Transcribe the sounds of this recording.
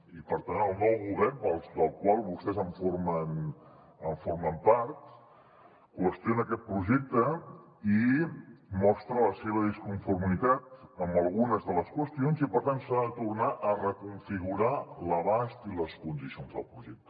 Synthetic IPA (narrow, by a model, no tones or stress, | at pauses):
ipəɾt̪anəlˠnɔwɣuβɛɾpəlˠsd̪əlˠkwalˠβust̪ɛzəɱfoɾmən | əɱfoɾməmpaɾt̪ | kwəst̪jonəkɛt̪̚pɾuʒɛk̚t̪ə | i | mɔst̪ɾələseβ̞əðiskuɱfuɾmit̪at̪əmbəlˠɣunəzðələskwəst̪ionzipəɾt̪ant̪saðət̪urnaʔərəkuɱfiɣuɾaləβast̪iləskund̪isionzðə̰lˠpɾuʒɛk̚t̪ə̥